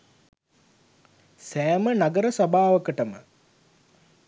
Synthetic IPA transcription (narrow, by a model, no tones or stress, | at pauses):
sæːmənaɡəɾəsabaːʋəkəʈəmə̰